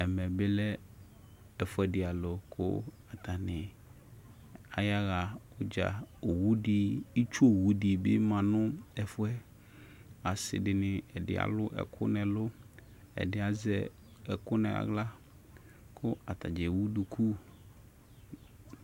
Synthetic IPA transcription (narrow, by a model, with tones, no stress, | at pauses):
ɛ˨mɛ̃˨be˦lɛ˦ | ɛ˨fʊ˦ɛ˦ɖɪ˨a˨lo˨kʰʊ̰˦a˨t̪a˨nɪ̃˨ | a˨ja˦ɣa˨wo˦d͡ʒa̰˨o˨wu˦ɖi˦i˦t͡ʃo˦˨wu˦ɖi˨bɪ̰˦mã˨nʊ̃˦ɛ˨fʊ˦ɛ˦ | a˨sɪ̰˨ɖɪ˨nɪ̃˨ɛ˨dɪ̰˦a̰˨lʊ˦ʔɛ̰˨kʰʊ̰˦nɛ̃˨lo˦ | ɛ̰˨dɪ˦a˨zɛ˦ | ɛ˨kʊ˦nɛ̰̃˨ɣa̰˦ɡla˦ | kʰʊ˦a˨t̪a˨d͡ʒɛ˨wu˦du˨kʰu˦